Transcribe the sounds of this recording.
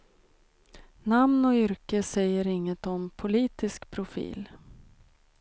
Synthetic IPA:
namnɔʏɾkəsɛjːəɾɪŋːət̪ɔmpʰʊliːt̪ɪskpʰɾʊfḭːl

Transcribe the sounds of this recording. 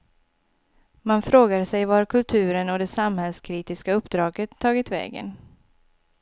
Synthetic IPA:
manfɾoːɡaɾsɛjvaɾkʰɵlt̪ʰʉ̟ːɾənɔd̪ɛsamhɛlskʰɾiːt̪ɪskaɵpːd̪ɾɑːɡət̪ʰːɑːɡɪt̪vɛ̰ːɡə̰n

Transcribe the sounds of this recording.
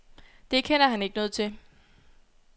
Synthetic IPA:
d̥e̝kʰenɐhæne̝ɡ̥ənɔ̽ːð̞̩ˠt͡sʰe̝

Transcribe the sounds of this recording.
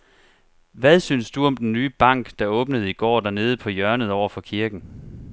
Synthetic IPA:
ʋæðˠsynsd̥uɒ̽md̥enːyːb̥ɑ̈ŋ̰ɡ̥d̥ɑ̈ɔ̽ːb̥nəð̞ˠiɡ̥ɒ̰ːd̥æɐne̝ːð̞̩ˠəpʰɒ̽jɶɐnð̞̩ˠɒʊ̰ɐfɒ̽kʰiɐɡ̥n̩

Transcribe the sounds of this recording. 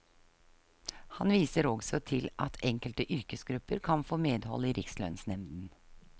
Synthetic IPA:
hɑnʋiːsəɾɔɡsɔt̪ʰɪlʔɑt̪ʰɛŋkəlt̪əʔʏɾkəsɡɾʉpːəɾkʰɑnfoːmeːd̪hɔ̰lːəiːɾʔɪkslœ̰nsnɛmd̪n̩

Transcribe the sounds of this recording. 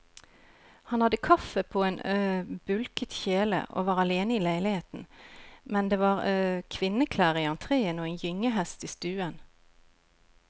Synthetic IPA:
hɑnhɑd̪əkʰɑfəpʰoːeːnbʉlkət̪çeːlə̰ʔo̰ːʋɑːʁɑleːnəiːlæɪlɪheːt̪n̩mɛnd̪eːʋɑːʁkʰʋɪnəkʰlæːʁiːɑnt̪ʰʁeːənoːeːnjʏŋəɦɛst̪iːst̪ʉːən

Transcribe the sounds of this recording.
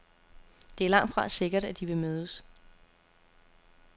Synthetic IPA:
d̥e̝æɐlɑ̈ŋ̰d̥fʁɑ̈se̝ɡ̥ɐɾ̥æd̥iʋe̝møːðˠəs

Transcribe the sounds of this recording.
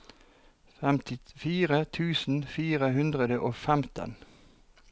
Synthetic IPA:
fɛmt̪ɪfiːʁət̪ʰʉːsn̩fiːʁəɦʉnd̪ʁəd̪əʔoːfɛmt̪ʰə̰n

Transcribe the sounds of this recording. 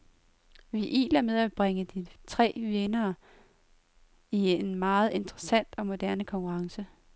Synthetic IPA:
ʋiʔḭːlæɐmeð̞ˠæb̥ʁaŋəd̥it͡sʰʁɛ̰ːʋenɐː | ienmɑ̈ːð̞̩ˠe̝nd̥ʁɐsæn̰d̥ɒ̽mo̝d̥æɐnəkʰɒ̽ŋkʰuʁɑ̈ŋsə

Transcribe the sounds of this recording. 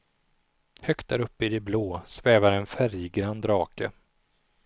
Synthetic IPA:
hœkt̪̚d̪æɾɵpːəɪd̪ɛbloːsvɛːvaɾɛnfæɾjɡɾand̪ɾɑːkə

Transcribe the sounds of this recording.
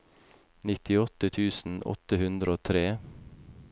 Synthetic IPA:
nɪt̪ɪɔt̪ət̪ʰʉːsn̩ʔɔ̰t̪əhʉnd̪ɾəoːt̪ʰɾeː

